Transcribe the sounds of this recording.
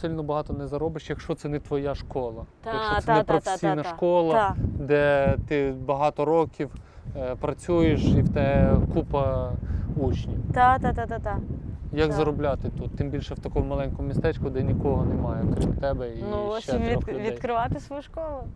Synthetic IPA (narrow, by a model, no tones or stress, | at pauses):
sɪlʲnɔbɐɦɑt̪ɔnɛzɐɾɔbɪʃjɐkʃt͡ʃɔt̪sɛnɛt̪ʋɔjaʃkɔlˠɐ | jɐkʃt͡ʃɔɛnɛɛp̪ɾɔfe̥sʲijnɐʃkɔlˠɐd̪ɛt̪ɪbɐɦɑt̪ɔɾɔkʲiwpɾɐt͡sʲujeʃiwt̪ɛkupɐ | ut͡ʃnʲit̪at̪at̪at̪at̪ajɐɡzɐɾɔblʲat̪ɪt̪ut̪ːɪmbʲilʲʃɛwt̪ɐkɔmʊmɐlˠɛnʲkɔmmʲist̪ɛt͡ʃkʊd̪ɛnʲikɔɦɔnɛmɑjɛɔkɾʲimt̪ɛbɛint͡ʃɛɔxldʋʲij̪jkɾɪʋɑt̪ɪsʋɔjuʃkɔlˠʊ